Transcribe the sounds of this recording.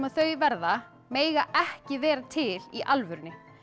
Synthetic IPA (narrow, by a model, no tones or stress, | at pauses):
maðθœːɥvɛɾða | meːjɣaɛhcɪvɛːɾat̪ʰɪliʔalvʏɾnɪ